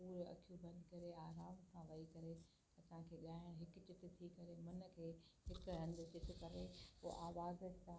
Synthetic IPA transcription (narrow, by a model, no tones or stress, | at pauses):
puːɾɐ̰kʰijũbɐ̃nd̪ʱkɐɾeaːɾaːmsʰãʋɐikɐɾe | ɐsãkʰeːɠaːɪɽ̃ɦɪkʊt͡ɕɪt̪̆t̪ʰikɐɾemɐnə̆kʰeːɦɪkɾɐ̃nd̪ɪt͡ɕɪt̪ɪ̆kɐɾeoːʔaːʋaːzəsã